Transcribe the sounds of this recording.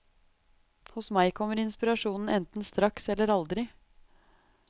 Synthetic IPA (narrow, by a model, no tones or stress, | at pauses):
hʊsmæɪkʰɔmːəɾɪnspɪɾɑʂuːnn̩ɛnt̪n̩st̪ɾɑksɛlːəɾɑld̪ɾɪ